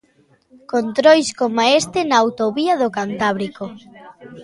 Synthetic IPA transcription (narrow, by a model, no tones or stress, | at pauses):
kont̪ɾojskomaest̪enaːwt̪oβiɐðokant̪aβ̞ɾiko